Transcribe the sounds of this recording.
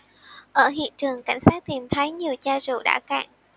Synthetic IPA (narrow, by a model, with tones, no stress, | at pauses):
ʔəː˧˩ɦḭ˧˨ənt͡ɕɨ˨˩əŋka̰˧˩jŋ̟saː˦˥k̚t̪i˨˩mt̪ʰə˨˦jɲi˨˩əwt͡ɕaː˧zṵ˨˩ɗa̰ː˧˥˩ka̰ː˧˨ŋ